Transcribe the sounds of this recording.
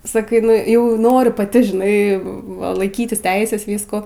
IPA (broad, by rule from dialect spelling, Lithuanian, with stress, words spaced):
sɐˈkɐɪ nʊˈjɛʊ ˈnoːrʲʊ pɐˈtʲɪ ʒʲɪˈnɐɪ ʋɐ lˠɐɪˈkʲiːtʲɪs ˈtʲɛɪsʲɛs ˈʋʲiːskuː